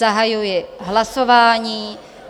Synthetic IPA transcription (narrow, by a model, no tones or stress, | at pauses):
aɦajujɛɦlasovaːɲiː